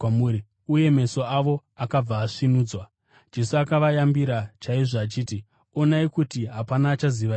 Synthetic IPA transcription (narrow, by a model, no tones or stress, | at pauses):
muɾi | uje̞me̞so̞aʋo̞ | akab͡vaːʂinuːd͡zwa | d͡ʒe̞suakaʋajambiɾat͡ʃaiʐaːt͡ʃiːti | o̞naikutiɦapanaːt͡ʃaziʋa